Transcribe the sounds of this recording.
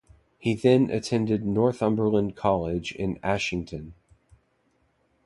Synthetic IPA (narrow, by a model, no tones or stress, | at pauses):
hiðɨ̃nʔɨ̰tʰɛ̃ndɨdⁿnɔɹθʌ̃mbə˞lə̃nkʰɑlˠɪd͡ʒɪ̰̃næʃɪ̃ŋtʰɨ̃n